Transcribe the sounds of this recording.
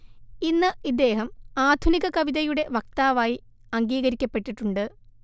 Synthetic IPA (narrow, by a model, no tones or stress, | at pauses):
inːɨid̪ːe̞ːɦɐmaːd̪ʱuniɣɐkɐʋiðɐjuɽe̞ʋɐk̚t̪aːʋaːji | ɐŋɡiːɣɐɾikʲːɐpːe̞ʈːiʈːuɳɖɨ